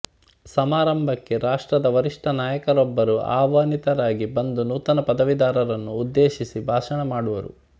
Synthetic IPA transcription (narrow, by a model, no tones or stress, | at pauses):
sɐmaːɾɐmbʱɐkːe̞ɾaːʂʈɾɐd̪ɐʋɐɾiʂʈɐnaːjɐkɐɾɔbːɐɾuʔa̰ːʋaːnit̪ɐɾaːɡibɐnd̪unuːt̪ɐnɐpɐd̪ɐʋid̪aːɾɐɾɐnːuːd̪ːeːʃisibʱaːʂɐɳɐmaːɽuʋɐɾṵ